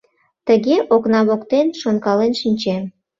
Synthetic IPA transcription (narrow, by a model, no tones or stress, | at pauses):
t̪əɣeʔoknɑβokt̪enʃonkɑlenʃinʲt͡ɕem